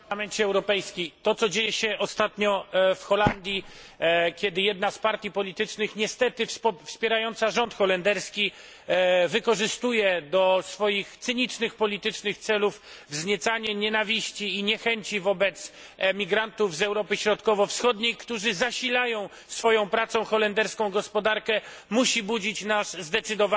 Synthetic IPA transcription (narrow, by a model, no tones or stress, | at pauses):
amɛɲt͡ɕɛɛwɾɔpɛjskʲit̪ɔt̪sɔd͡ʑejɛɕɛʔɔst̪at̪ɲɔfxɔland̪ʲji | kʲɛd̪ɘjɛd̪naspaɾt̪ʲjipɔlʲit̪ɘt͡ʂnɘxɲɛst̪ɛt̪ɘfspʲjɛɾajɔnt̪saʐɔnt̪xɔlɛnd̪ɛɾskʲi | vɘkɔʐɘst̪ujɛd̪ɔsfɔjixt̪sɘɲit͡ʂnɘxpɔlʲit̪ɘt͡ʂnɘxt̪sɛluf | vzɲɛt̪saɲɛɲɛnavʲiɕt͡ɕiːɲɛxɛɲt͡ɕivɔbɛt̪s | mʲiɡɾant̪uvzɛwɾɔpɘɕɾɔt̪kɔvɔfsxɔd̪ɲejkt̪uʐɘzaɕilajɔ̃w̃ | sfɔjɔ̃w̃pɾat̪sɔ̃w̃xɔlɛnd̪ɛɾskɔ̃w̃ɡɔspɔd̪aɾkɛ | muɕibud͡ʑit͡ɕnaʂzd̪ɛt̪sɘd̪ɔva